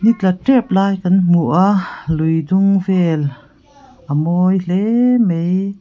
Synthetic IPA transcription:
nit̪̚lɐk̚ʈɛp̚laːjkɐnmuʔaʔlujdʊŋvɛl | ʔəmɔjɬɛmej

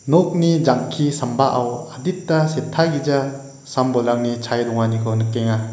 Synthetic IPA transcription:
nɔk̚nid͡ʒaŋkʰisambaʔawadit̚ːasetʰaɡid͡ʒa | sambɔlaŋnit͡ʃʰajdɔŋanikʰɔnɯkːeŋa

